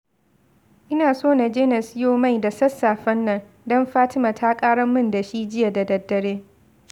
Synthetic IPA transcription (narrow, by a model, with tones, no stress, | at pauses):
ʔɪ˦naː˨soː˦na˨d͡ʒeː˦nɐ˨sjoː˦ma˦˨jda˨sɐ˦sːaː˨ɸɐ˦nːɐ˦ŋ | dɔ˦mɸaː˦tɪ˦maː˨tʰa˦kʼaː˦ɽɐ˦mːɪ˦nda˨ʃi˦d͡ʒɪ˦ja˨da˨dɐ˨dːɐ˨ɽeː˦